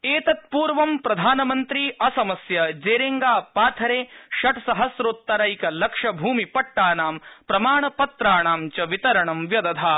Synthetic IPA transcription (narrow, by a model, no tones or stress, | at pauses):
eːt̪ɐt̪̚puːɾʋɐmpɾɐd̪ʱaːnɐmɐnt̪ɾiːʔɐsɐmɐsjɐd͡ʒeːɾeŋɡaːpaːt̪ʰɐɾeːʃɐʈsɐɦɐsɾot̪ːɐɾɐjkɐlɐkʂɐbʱuːmipɐʈːaːnaːmpɾɐmaːɳɐpɐt̪ɾaːɳaːmt͡ʃɐʋit̪ɐɾɐɳɐmʋjɐd̪ɐd̪ʱʰaː